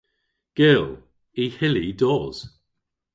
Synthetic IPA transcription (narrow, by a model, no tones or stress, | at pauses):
ɡ̥ɪlˠ | ihɪlidɔːz̥